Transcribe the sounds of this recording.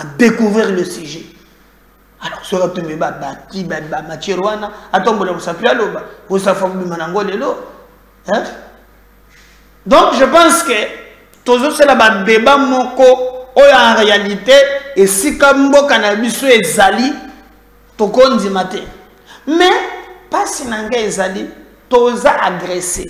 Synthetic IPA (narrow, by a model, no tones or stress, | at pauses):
adekuvʁiʁlesiʒe | alɔʁsoatembebabakibamatjɛʁwanaatombolkosapialobaosafakobimanaaŋɡolelo | ɛ | dɔ̃kʒəpãskə | tozosalababebamɔkɔojojaʁealiteesikambokanabisoezali | tokondimatɛ | mɛpasinaŋɡaezali | tozaʔaɡʁese